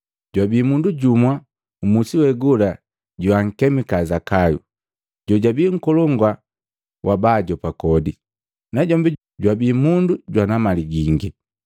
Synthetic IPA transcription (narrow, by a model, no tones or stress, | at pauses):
ɟwabiːmunduɟumwa | umusiwɛɡula | ɟuwaŋ̩kɛmikazakajṵ | ɟɔɟabiːŋ̩kɔlɔŋɡwa | wʔabaɟɔpakɔdi | naɟɔmbi | ɟwabiːmunduɟwanamaliɡiŋɡi